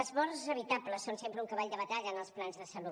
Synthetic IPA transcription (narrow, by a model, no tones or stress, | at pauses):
əzβɔɾzəβ̞it̪apləsːonsempɾəuŋkəβaʎd̪əβət̪aʎəːnəlˠsplanzðəsəlu